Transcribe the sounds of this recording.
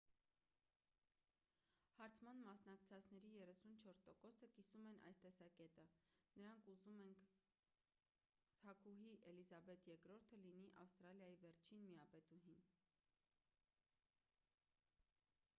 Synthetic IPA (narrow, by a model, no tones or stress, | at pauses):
hɑɾt͡sʰmɑnmɑsn̪ɑkt͡sʰɑt͡sʰnɛɾijɛrɛsunt͡ʃʰɔɾst̪ɔkɔsəkisumɛnʔɑ̰jst̪ɛsɑkɛt̪ənəɾɑŋkʰuzumɛŋkʰ | t̪ʰɑkʰuɦiʔɛlizɑbɛt̪jɛkɾɔɾt̪ʰəlin̪iʔɑfst̪ɾɑljɑjivɛɾt͡ʃʰinmijɑpɛt̪uɦin